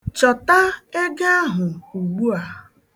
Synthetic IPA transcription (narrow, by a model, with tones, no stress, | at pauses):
t͡ʃɔ˨ta˦e˦ɡe˦a˦ɦʊ˨u˨ɡ͡bu˦a˨